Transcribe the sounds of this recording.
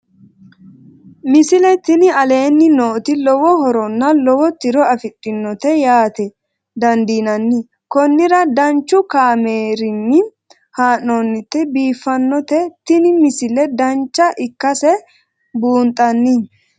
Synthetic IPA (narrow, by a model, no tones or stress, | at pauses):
mɪsɪlɛt̪ɪnɪɐle̞ːnːɪnoːt̪ɪlɔwɔɦɔɾɔnːɐlɔwɔt̪ɪɾɔɐfɪtʼːɪnːɔt̪ɛjaːt̪ɛ | d̪ɐnd̪iːnɐnːɪ | kɔnːɪɾɐd̪ɐnt͡ʃːʊkaːmeːɾɪnːɪ | haːnːonːɪt̪ːɛbiːfːɐnːɔt̪ɛt̪ɪnɪmɪsɪlɛd̪ɐnt͡ʃːɐʔɪkːɐsɛ | buːnt̪ʼɐnːɪ